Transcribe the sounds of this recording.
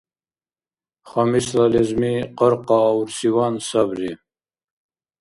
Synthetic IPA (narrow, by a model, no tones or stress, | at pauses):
χɑmislalizmiqəɾqɑːwɾsiwɑnsabɾi